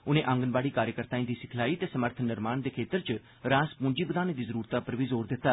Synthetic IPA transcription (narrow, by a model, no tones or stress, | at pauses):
ʊnẽʔə̃ŋɡənbaːɽiːkaːɾjəkəɾt̪aːĩd̪iːsɪkʰlaːiːt̪eːsəməɾt̪ʰənɪɾmaːnd̪eːkʰeːt̪əɾt͡ʃ | ɾãːspʊ̃ɲd͡ʒiːbəd̪aːneːd̪iːzəɾuːɾt̪aːpəɾʋiːzoːɾd̪ɪt̪ːaː